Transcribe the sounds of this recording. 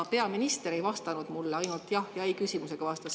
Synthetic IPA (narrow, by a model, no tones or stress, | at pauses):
pe̞ɑminist̪eɾe̞jvɑst̪ɑnud̪̥mulːeɑjnult̪jɑhjɑejkysʲimuse̞ɡ̥ɑvɑst̪ɑs